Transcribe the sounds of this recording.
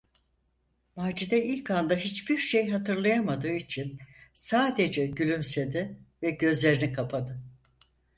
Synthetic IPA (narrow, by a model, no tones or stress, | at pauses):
maːd͡ʒid̪ɛilʲcʰand̪aɦit͡ʃbiɾʃejɦat̪ɯɾlˠajamad̪ɯːit͡ʃʰinsaːd̪e̞d͡ʒɛɟylʲymsed̪ɪvɛɟø̞zlʲe̞ɾinikʰapʰad̪ɯ